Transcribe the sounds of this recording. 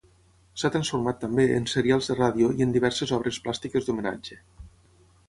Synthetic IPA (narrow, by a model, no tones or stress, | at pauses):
sat̪ɾənsfuɾmat̪ːambeənseɾialˠzðəraðioiənd̪iβɛɾsezɔβ̞ɾesplast̪ikəzd̪umena̰d͡ʒe